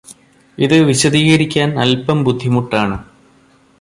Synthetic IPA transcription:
iðɨʋiɕɐðiːɣɐɾikʲːaːnɐ̰lpɐmbud̪ʱːimuʈːaːɳɨ

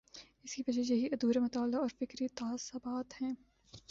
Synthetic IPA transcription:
ɪskibɐd͡ʒɐjɐɦiʔɐd̪uːɾemɐt̪aːlːaɔːɾfɪkɾit̪aːsɐbaːt̪hɛ̃ː

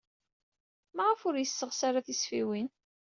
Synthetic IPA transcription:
maʁəfʊɾjəsːəʁsaɾaθisfiwin

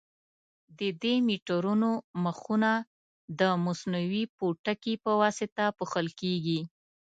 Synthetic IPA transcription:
d̪əd̪emiʈəɾunoməxuna | d̪əmʊsnawipoʈakipəwɑsɪt̪apuxəlkeɡi

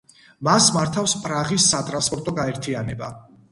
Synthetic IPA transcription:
masmaɾt̪ʰafspʼɾaʁisːat̪ʼɾanspʼɔɾt̪ʼɔɡaɛɾt̪ʰianɛba̰

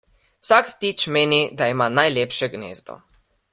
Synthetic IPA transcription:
wsakt̪it͡ʃmeːnid̪aimaːnajljeːpʃɛɡnḛːzd̪ɔ̰

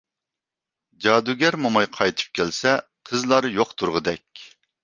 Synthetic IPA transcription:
d͡ʒɑd̪uɡʲɛɾmomɑjqʰɑjt̪ʰɨ̥p̚kʲʰɛlsɛqʰəzlˠɑɾjoqt̪ʰuɾʁəd̪ɛkʲ

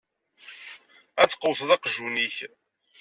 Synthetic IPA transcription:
æt͡sːqowθðɑqʒuniç

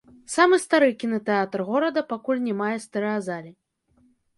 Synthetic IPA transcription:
samɨst̪aɾɨkʲinɐt̪ɛat̪rɣɔɾɐd̪ɐpakulʲnʲɛmajɛst̪ɛɾɛazalʲi

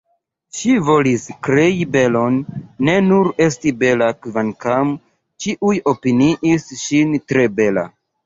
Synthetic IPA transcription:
ʃivo̞liskɾe̞ibe̞lo̞nːe̞nuɾe̞stibe̞lakvankam | t͡ʃiʔujo̞piniʔisʃintɾe̞be̞la̰

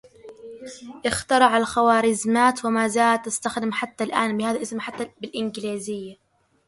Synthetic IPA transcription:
ʔɪxt̪ɑɾˤɑʕalxawaːɾɪzmaːt̪wɪmaːzaːlat̪ːast̪axd̪ɪmħat̪ːalʔaːnbɪhaːðalʔɪsmħat̪ːabɪlʔɪnɡliːzɪjːa

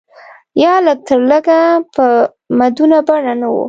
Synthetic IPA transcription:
jɑlək̚t̪əɾləɡapə | mad̪unabaɽanawṵ

